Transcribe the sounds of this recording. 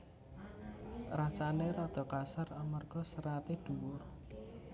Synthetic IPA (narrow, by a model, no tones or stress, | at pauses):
rat͡ʃaneɾɔd̪̥ɔ̤kasaramərɡ̥ɔsəɾat̪ed̪̥uwʊr